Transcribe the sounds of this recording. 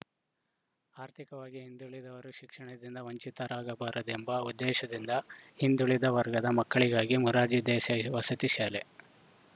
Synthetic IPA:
aːɾt̪ʰikɐʋaːɡiɦind̪uɭid̪ɐʋɐɾuʃikʂɐɳɐd̪ind̪ɐʋɐɲt͡ʃit̪ɐɾaːɡɐbaːɾɐd̪embɐud̪ːɛːʃɐd̪ind̪ɐhind̪uɭid̪ɐʋɐɾɡɐd̪ɐmɐkːɐɭiɡaːɡimuɾaːd͡ʒid̪ɛːʃɐʋɐsɐt̪iʃaːle

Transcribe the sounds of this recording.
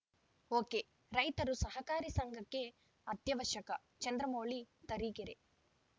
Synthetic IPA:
oːke | ɾɐjt̪ɐɾusɐɦɐkaːɾisɐŋɡʱɐkːe | ɐt̪jɐʋɐɾʃɐkɐ | t͡ʃɐnd̪ɾɐmoːɭit̪ɐɾiːkiɾe

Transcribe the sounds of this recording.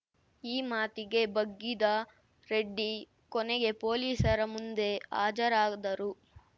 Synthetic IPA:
iːmaːt̪iɡe̞bɐɡːid̪ɐ | ɾe̞ɖːi | kɔnɛɡe̞poːliːsɐɾɐmund̪e̞a̰ːd͡ʒɐɾaːɡd̪ɐɾu

